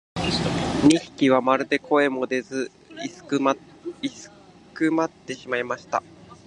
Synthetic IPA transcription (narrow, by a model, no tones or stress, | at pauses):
ɲʲiçi̥kʲiβ̞amaɾɯ̟d̪e̞kʰo̞e̞mo̞d̪e̞zɨ | isɨ̥ | isɨ̥ | kɯ̟mat̪ːe̞ɕimaimaɕi̥t̪a̰